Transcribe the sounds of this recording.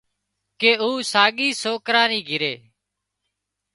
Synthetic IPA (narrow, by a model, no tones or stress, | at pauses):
keːuːsaːɠiːsoːkɾãːniːɡʱɪɾeː